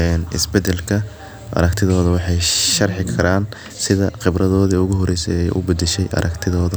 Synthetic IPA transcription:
ɛːnɪ̰sbɛd̪ɛlkʰɐ | ʔɐ̰ɾɐkt̪ʰɪðɔːðɐwɑħɑjʃɐrħɪkʰɐɾʔaːn | sɪðɐqɪbɾʔɐðɔːðiʊɣʊɦɔɾɛjsɛ̰jɛjʔʊ̰bɐd̪ɛʃɛjʔɐ̰ɾʔɐkt̪ʰɪðɔːðɐ

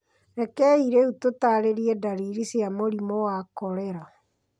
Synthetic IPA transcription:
ɾɛkɛiɾeutotaɾeɾiɛdaɾiɾisjamoɾimowakɔɾɛɾa

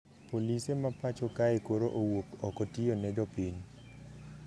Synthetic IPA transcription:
polisemapat͡ʃɔkaekoɾoʔowokɔkɔtionɛd͡ʒɔpiɲ

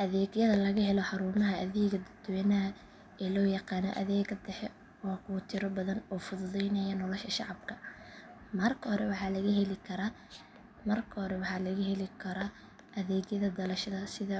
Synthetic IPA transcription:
ʔɐðɛːɡjɐðɐlɐɣɐɦɛlɔħɑɾʊːmɐɦɐɐðɛːɡɐd̪ɐd̪wɛːnɐɐ | ɛːlɔːjɑqɑːnɔ̰ʔɐðɛːɡɐd̪ɛħɛ | wɑːkʰut̪ʰɪɾɔbɐðɐnɔːfʊðʊðɛjnɐjɐnɔlɔʃʰɐʃɑʕɑbkʰɐ | mɐrkʰɐhɔɾɛwɑħɑːlɐɣɐɦɛlɪkʰɐɾɐ | mɐrkʰɐhɔɾɛwɑħɑːlɐɣɐɦɛlɪkʰɐɾɔ | ʔɐðɛːɡjɐðɐd̪ɐlɐʃɐðɐsɪðɐ

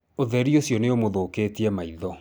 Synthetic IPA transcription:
oðɛɾiosjɔneomoðokeːtiɛmaiðɔ

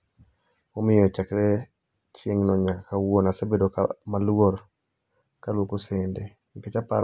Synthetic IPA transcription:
omɪjɔt͡ʃɛkɾɛ | t͡ʃjeŋnɔɲaakawonasɛbedoka̰maloɾ | kalwokosende | iket͡ʃapa̰ɾ

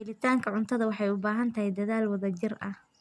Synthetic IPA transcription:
ɪlɪt̪ʰaːŋkʰɐʕʊnt̪ʰɐðɐwɑħɑjʊbaːɦɐnt̪ʰɐɦɛjd̪ɐðaːlwɐðɐd͡ʒɪrʔɐh

